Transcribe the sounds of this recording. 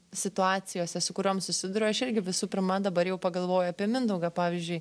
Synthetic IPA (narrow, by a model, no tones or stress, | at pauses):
sʲɪt̪ʊɑːsʲɪjoːsʲɛsʊkʊɾʲoːmsʊsʲɪd̪ʊɾʲoːɐʃɪɾʲɡʲɪʋʲɪsuːpʲɪɾmɐd̪ɐbɐɾjɛʊpɐɡɐlˠʋoːjʊɐpʲiɛmʲɪnd̪ɐʊɡɑpɑːʋʲiːzʲd͡ʒʲʊɪ